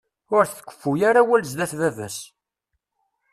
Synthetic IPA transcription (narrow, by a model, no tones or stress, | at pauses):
ʊɾθkʷːə̥fːujaɾawælzðæθvævæ̰s